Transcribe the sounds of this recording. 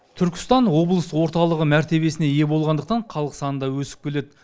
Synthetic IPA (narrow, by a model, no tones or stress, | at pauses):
t̪ʰʏɾkʲɪ̥st̪ɑnwo̞blˠəswo̞ɾt̪ɑlˠəʁəmæɾt̪e̞βe̞sɪne̞je̞bo̞lˠʁɑnd̪əqt̪ɑɴqʰɑlˠəqsɑnənd̪ɑwɵsɪ̥p̚kʲʰe̞le̞d̪ɪ